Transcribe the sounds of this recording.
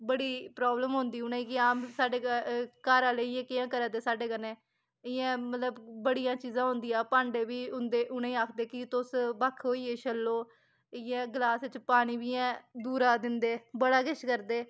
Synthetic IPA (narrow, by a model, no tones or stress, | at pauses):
bəɽiːpɾaːbləmɦʊ̃nd̪iːʊnẽĩːkɪaːmsaːɖeːkaːɾãːleːɪːɛ̃ːkɪjãːkəɾãːt̪eːsaːɖeːkənẽː | ɪjɛ̃ːmət̪ləbbəɽijãːt͡ʃiːzãːɦʊ̃nd̪iːjaːpãːɳɖeːʋiːʊnd̪eːʔʊnẽːaːkʰd̪eːkɪt̪ʊsbakʰoːiːeːt͡ʃəlːoː | ɪjɛ̃ːɡlaːsɪt͡ʃpaːɽ̃iːʋiːɛ̃ːd̪uːɾaːd̪ɪnd̪eːbəɽaːɡɪʃkəɾd̪eː